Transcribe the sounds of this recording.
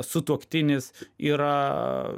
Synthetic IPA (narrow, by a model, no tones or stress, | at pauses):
sʊt̪uɔkt̪ʲɪnʲɪsiːɾɐ